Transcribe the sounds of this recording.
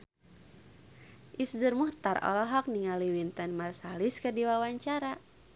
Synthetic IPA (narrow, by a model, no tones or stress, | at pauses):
ʔisd͡ʒurmuht̪arɔ̰lɔɦɔk̚niŋaliwint̪ənmarsaliskədiwawaɲt͡ʃaɾa